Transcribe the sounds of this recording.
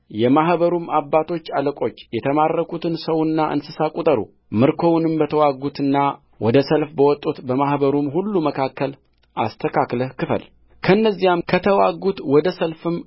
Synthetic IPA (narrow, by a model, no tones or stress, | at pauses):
jɛmahbəɾumabːat̪ʰo̞t͡ʃːaləkʼo̞t͡ʃːjɛt̪ʰəmarːəkʰut̪ʰɨnsəwɨnːaʔɨ̰nsɨsakʼut̪ʼəɾṵ | mɨɾkʰo̞wunɨmbət̪ʰəwaɡut̪ɨnːa | wɔd̪əsəlfbəwɔt̪ʼːut̪bəmahbəɾumhulːuməkʰakːəl | ʔast̪ʰəkʰakləhkɨfə̰l | kʰəɨnːəzːijamkʰət̪ʰəwaɡut̪wɔd̪əsəlfɨm